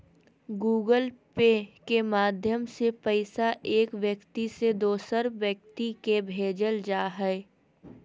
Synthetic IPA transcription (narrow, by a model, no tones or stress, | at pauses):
ɡuːɡəlpekemaːd̪ʱjəmsepɛɪsaʔeːkʋjəkt̪ised̪oːsəɾʋjək̚t̪ikebʱeːd͡ʒəld͡ʒaːɦɛː